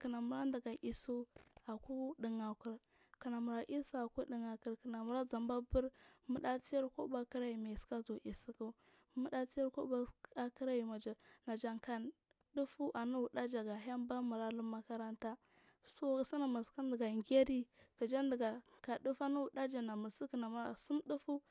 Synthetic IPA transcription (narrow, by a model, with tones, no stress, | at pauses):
ki˨na˨mu˨ɾa˦nda˨ɡa˨ʔi˨su˦a˨ku˦ɗi˨ŋa˨ku˨ɾ | ki˨na˨mu˨ɾa˨˦ʔi˦su˦a˨ku˦ɗi˨ŋa˨ku˨ɾkə˨na˨mu˨ɾa˦d͡za˨mba˦bu˦ɾmu˦ɗa˦t͡si˦ja˦ɾko˦ba˦ki˦ɾa˦ji˨ma˨ska˦zu˨ʔi˨si˦ku˦ | mu˦ɗa˦t͡si˦ja˦ɾko˦ba˦a˦kə˦ɾa˦ji˨ma˨d͡ʒa˨na˨d͡ʒa˨ŋka˨ | du˦fu˦ʔa˨ni˦wu˨da˦d͡ʒa˨ɡa˨ɦa˦mba˦mu˨ɾa˦lu˦ma˦ka˦ɾa˦nta˦ | so˦˨si˦na˨mu˨ɾska˦ndi˨ɡa˨ŋɡe˦ɾi˦ki˨d͡ʒa˦ndə˨ɡa˨ka˨ɗu˦fa˦nu˦wu˨ɗa˦d͡ʒa˨na˨mu˨ɾsi˦kə˨na˨mu˨ɾa̰˨su˦mɗu˦fu˦